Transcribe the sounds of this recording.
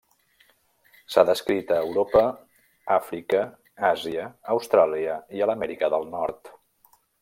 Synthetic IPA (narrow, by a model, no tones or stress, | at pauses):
saðəskɾit̪əːwɾopə | afɾikə | aziəːwst̪ɾaliəiələmɛɾikəðəlˠnɔɾt̪